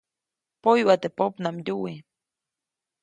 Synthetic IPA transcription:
pojwat̪epopnamjuwi

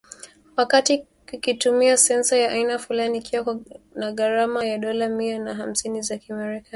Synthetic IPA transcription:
wakati | kikitumiasɛnsajaʔainafulaniːkiwaknaɠaɾamajaɗɔlamiannaɦam̩sinizakiamɛɾɛka

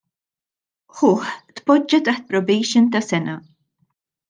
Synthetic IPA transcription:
ħʊːħt̪pɔd͡ʒːɐt̪ɐħt̪̚pɾɔbɛjʃɪnt̪ɐsɛnɐ

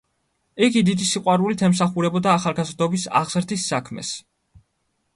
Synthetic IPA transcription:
ɛɡid̪id̪isiqʼwaɾulit̪ʰɛmsaχuɾɛbɔd̪aːχalˠɡazɾd̪ɔbisa̰ʁz̥ɾd̪isːakʰmɛ̰s

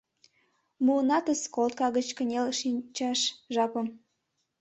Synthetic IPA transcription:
muənɑt̪əskolt̪̚kɑɣət͡ɕkə̆nʲelʃint͡ɕɑʃʒɑpə̆m

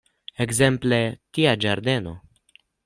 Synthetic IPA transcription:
eɡzemplet̪iad͡ʒaɾd̪eno̰

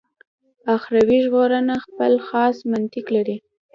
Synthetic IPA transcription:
axɾawiʒɣoɾənaxpəlxɑsmant̪ɪklaɾi

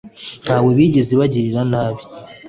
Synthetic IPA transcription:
n̥haːweβiɟiziβaɟiɾiɾanaːβi̥

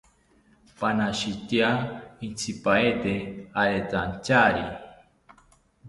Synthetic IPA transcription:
panaʃit̪jaint͡sʰipaet̪eaɾet͡sant͡ʃaɾi

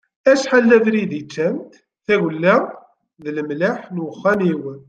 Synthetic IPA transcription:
æʃħalːævɾiðit͡ʃːæmt̪ | θæwəlːæ | ðələmlaħnwəχːæniwən

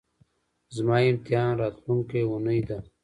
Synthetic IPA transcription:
zmaːimt̪jaːnɾaːt̪lunkeunəjd̪a

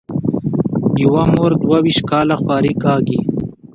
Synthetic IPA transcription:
iwamoːɾd̪wawiʃkaːlaxwaːɾikaːɡi

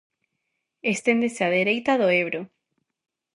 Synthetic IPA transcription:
est̪end̪eseaðeɾejt̪aðoeβɾo

